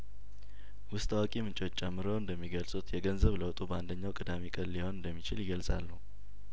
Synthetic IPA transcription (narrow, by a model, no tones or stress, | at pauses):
wʊst̪ʼawakʼimɨnt͡ʃʼwot͡ʃːt͡ʃʼːɛmːɨɾəwɨnd̪əmːiɡəlsʼut̪ʰjɛɡənzəβləwt̪ʼubəand̪əɲːawkʼɨd̪amikʼəlliho̞nɨnd̪əmːit͡ʃɪljɪɡəlsʼa̰lːuh